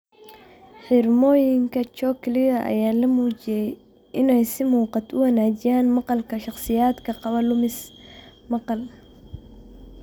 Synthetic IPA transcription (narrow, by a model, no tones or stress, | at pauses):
ħɪrmɔːjɪŋkʰɐt͡ʃɔkʰlɪðɐʔɐ̰jaːlɐmuːt͡ʃɪjɛj | ʔɪnɛjsɪmuːqɑt̪ʰʊwɐnaːt͡ʃɪjaːnmɑqɑlkʰɐʃɑχsɪjaːd̪kʰɐqɑβɐlʊmɪsmɑqɑl